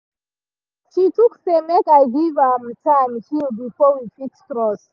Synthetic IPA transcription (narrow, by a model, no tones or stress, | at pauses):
ʃituksemɛkaɡivamtãmhilbifɔwifikkɹɔs